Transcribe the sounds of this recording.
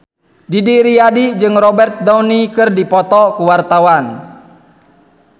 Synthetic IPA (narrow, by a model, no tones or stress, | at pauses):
didiɾiadid͡ʒɨŋrɔbɛrt̪̚dɔwnikɨrdipɔt̪ɔkuwart̪awan